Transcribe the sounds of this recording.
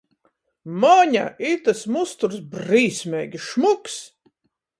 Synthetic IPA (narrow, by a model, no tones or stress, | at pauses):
mɔɲʲa̰ʔit̪asmust̪uɾsbɾiːsʲmʲɛːɡʲiʃmuks